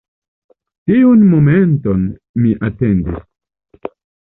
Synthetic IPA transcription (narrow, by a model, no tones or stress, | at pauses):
tiunmomenton | miʔatendis